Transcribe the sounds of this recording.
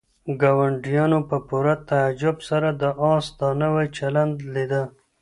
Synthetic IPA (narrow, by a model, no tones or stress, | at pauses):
ɡɑwaɳɖijɑnopəpuɾat̪aːd͡ʒʊbsaɾad̪əʔɑ̃st̪ɑnəwet͡ʃaland̪lid̪ə